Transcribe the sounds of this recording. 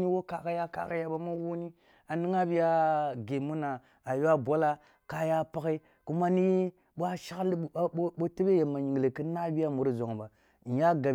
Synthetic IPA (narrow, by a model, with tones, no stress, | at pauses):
ni˦wo˦ka˨ka˦ja˦ka̰˨ka˦ja˦ɓa˦ma˦wu˦ni˦ | a˨ni˦ŋa˦bi˦ja˦ɡe˨mu˦na˨ | a˨jo˦a˦bʷa˦la˦ | ka˦ja˦pa˦ki˦ | ku˦ma˦ni˦ | ɓa˦ʃa˦kli˦ɓo˦te˦be˦je˨ma˨ɲi˨ɡle˨ki˦na˦bi˦ja˦mu˨ɾi˦zo˨ŋ˨ba˨ | ja˦ɡa˨